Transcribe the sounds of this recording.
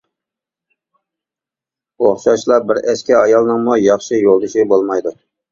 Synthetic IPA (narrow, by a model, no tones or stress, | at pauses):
oχʃɑʃlˠɑbɪɾɛskʲɛɑjɑlˠnɨŋmujɑχʃɪjolˠd̪uʃɪbolˠmɑjd̪u